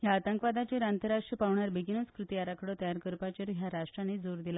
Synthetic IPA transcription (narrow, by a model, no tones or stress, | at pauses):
ɦjaːt̪əŋkʋad̪at͡ɕeɾant̪əɾaʂʈɾəpaʋɳjaɾbiɡinəskɾut̪iaɾakəɽət̪əjaɾkəɾpat͡ɕəɾɦjaɾaʂʈɾaned͡zoɾd̪ila